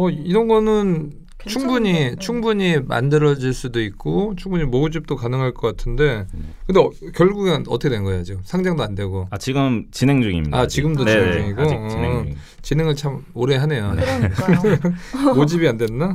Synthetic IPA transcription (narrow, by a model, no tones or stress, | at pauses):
ʌiɾʌnɡʌnɯn | t͡ɕʰuŋbuɲit͡ɕʰuŋbuɲima̰ndɯɾʌd͡ʑiɭs͈udoik̚k͈ot͡ɕʰuŋbuɲimoud͡ʑip̚t͈okanɯŋɦaɭk͈ʌk͈atʰɯnde̞kɯndekjʌɭɡuɡenʌtʰʌkʰedwenɡʌejad͡ʑosʰaŋd͡ʑaŋdoande̞ɡoat͡ɕiɡɯmt͡ɕineŋd͡ʑuŋḭmiat͡ɕiɡɯmdoied͡ʑuŋiɡo | t͡ɕinɦe̞ŋɯɭt͡ɕʰamoɾe̞ɦane̞jo | od͡ʑibiande̞nːa